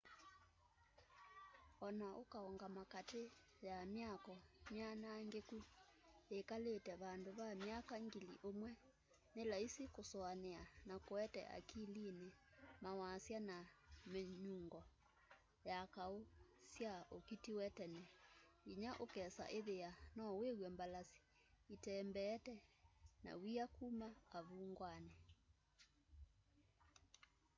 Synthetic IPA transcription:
ɔnaʔokaɔŋɡamakate | jamjakɔmjanaŋɡeku | ekaletɛβandoβamjakaŋɡilḭʔomwɛ | nelaisikosɔaneanakoɛtɛ̰a̰kʰilinemawasjanameɲuŋɡɔ | jakaosjaokitiwɛtɛnɛiɲaʔokɛsa̰ʔeðeanɔweɣwɛmbalasi̥ | itɛmbɛːtɛna̰wiakumaːβuːŋɡwanɛ

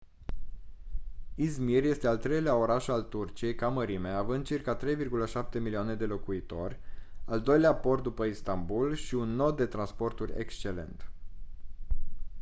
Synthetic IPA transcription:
izmirje̞st̪e̞alt̪ɾe̞leao̞ɾaʃalt̪urt͡ʃije̞jkaməɾimeavɨnd̪̚t͡ʃirkat̪ɾe̞jvirɡuləʃap̚t̪e̞milioane̞d̪e̞lo̞kuit̪o̞rʲald̪o̞jleapo̞rt̪̚d̪upəist̪ambulʃiunːo̞t̪̚d̪e̞t̪ɾanspo̞rt̪urʲe̞̰kst͡ʃe̞le̞̰nt̪

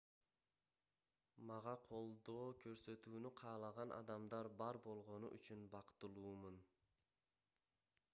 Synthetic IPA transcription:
mɑʁɑqʰo̞lˠd̪o̞ːkʰø̞ɾsø̞t̪uːnyqʰɑːlˠɑʁɑnʔɑ̰d̪ɑmd̪ɑɾbɑɾbo̞lˠʁo̞nṵʔyt͡ʃynbɑqt̪ɯlˠuːmun

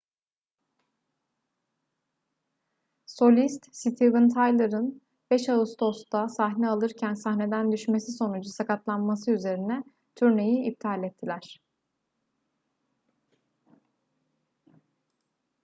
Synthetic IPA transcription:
so̞lʲist̪sit̪ʰivɯnt̪ʰajlˠaɾɯn | bɛʃaust̪ʰo̞st̪asaɦnɛalˠɯɾcʰænsahne̞d̪ænd̪yʃme̞siso̞nud͡ʒusakat̪lˠanmasɯyze̞ɾinɛ | t̪ʰyɾne̞jiːp̚t̪ʰalʲɛt̪ʰːilʲæɾ̝̥

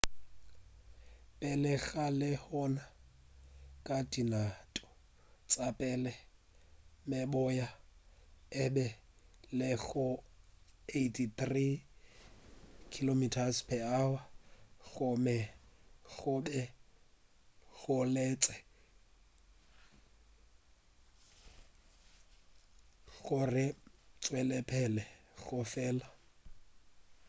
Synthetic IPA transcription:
pʼɛlɛɣalɪhɔna | kʼadinatʼɔ̥ | t͡sʼapʼɛlɛ | mɪbʊja | ɪbɛ | lɪɣʊ | etʰitri | kʰilomitʰaspʰɛawaɣʊmɛ | ɣʊbɛ | ɣʊlɛt͡sʼɛ̥ | ɣʊrɪt͡sʼwɛlɛpʰɛlɛ | ɣʊfɛːla

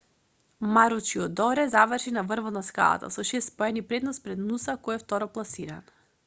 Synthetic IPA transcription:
maɾut͡ʃiɔd̪ɔɾɛzavr̩ʃinavr̩vɔnaska̰lˠa̰t̪a̰sɔʃɛspɔɛnipɾɛd̪nɔspɾɛd̪nusakɔɛft̪ɔɾɔplˠasiɾan

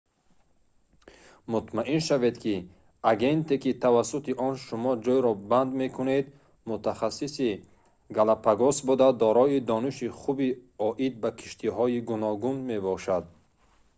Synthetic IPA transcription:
mut̪maʔinʃave̞d̪kʰi | aɡe̞nt̪ekit̪ʰavasut̪iʔɔnʃumɔd͡ʒɔjɾɔband̪me̞kʰune̞d̪ | mut̪ʰaχasːisi | ɡalapʰaɡɔsbud̪ad̪ɔɾɔid̪ɔniʃiχubiɔʔid̪̚bakʰi̥ʃt̪ʰiɦɔiɡunɔɡunme̞bɔʃad̪

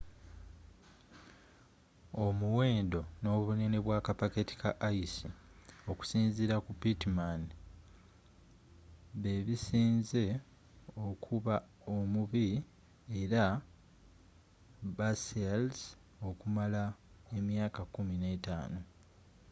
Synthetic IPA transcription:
o̞muwe̞ːndo̞no̞βune̞ne̞βwaːkapaketi̥kaʔːjisio̞ku̥siːnziɾakupitiman | βe̞βisiːnze̞ | o̞kʰuβa | o̞muβi | e̞ɾa | baselz | o̞kumala | e̞mjaːkakumine̞ːtaːno̞

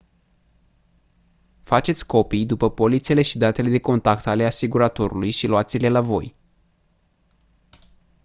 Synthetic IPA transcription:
fat͡ʃe̞t̪sʲko̞pijd̪upəpo̞lit̪sele̞ʃid̪at̪e̞le̞d̪e̞ko̞nt̪akt̪ale̞asiɡuɾat̪o̞ɾulujʃiluat̪sile̞lavo̞̰j

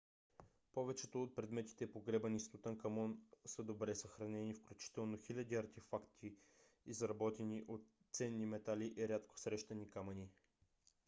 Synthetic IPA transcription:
pɔvɛt͡ʃɛt̪oːt̪̚pɾɛd̪mɛt̪i̥t̪ɛpoɡɾɛbɐnist̪ot̪əŋkɐmɔnsəd̪obɾɛsəxɾɐnɛnifklʲut͡ʃi̥t̪ɛlˠnoxilʲɐd̪iɐɾt̪ɛfakt̪ʰi | izɾɐbɔt̪ɛniʔot̪ | t̪sɛnːimɛt̪aliʔiɾʲat̪ko̥sɾɛʃt̪ɐnikamɐni

